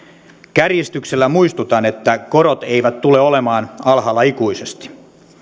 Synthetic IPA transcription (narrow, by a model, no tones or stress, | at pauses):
kærjist̪ykselːæmuist̪ut̪ɑne̞t̪ːæko̞ɾot̪e̞iʋæt̪tːuleo̞le̞mɑːnɑlɦɑlːɑikuise̞st̪i̥